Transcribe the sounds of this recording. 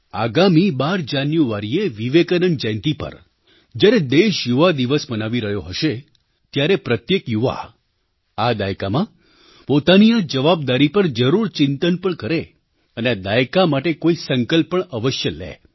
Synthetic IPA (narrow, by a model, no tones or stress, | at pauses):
aɡamibaɾd͡ʒanjuaɾieʋiʋekəɾənd͡ʒəjnt̪ipə̰ɾ | d͡ʒjaɾed̪eʃjuʋad̪iʋəsmənaʋiɾəɦjoɦəʃe | t̪jaɾepɾət̪jekjuʋa̰ | ad̪ajkamã | pot̪aniad͡ʒəʋab̚d̪aɾipəɾd͡ʒəɾuɾt͡ʃɪnt̪ənpəɳkəɾe | ənead̪ajkamaʈekoisəŋkəlpəɳəʋəʃjəlḛ